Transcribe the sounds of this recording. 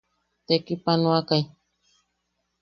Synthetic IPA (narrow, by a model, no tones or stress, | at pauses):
t̪ekipanoakaj